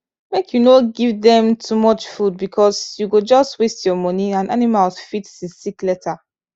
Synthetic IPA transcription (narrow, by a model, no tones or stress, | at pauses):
mekʰjunoɡivðɛ̃mtʰumɔt͡ʃfud̚bikʰɔsjuɡod͡ʒɔstwestʰjɔmɔniãnʔanimalsfitsisiklɛtʰa